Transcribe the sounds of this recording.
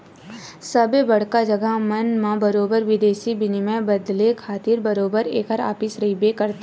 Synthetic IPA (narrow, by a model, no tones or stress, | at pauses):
səbebɐɽ̤kad͡ʒəɡəɦmənmãbɐɾoːbəɾʋɪd̪eːʃibɪnimẽbɐd̪lekʰaːt̪ɪɾbɐɾoːbəɾeːkəɾa̰ːpɪsɾɐibekɐɾt̪ː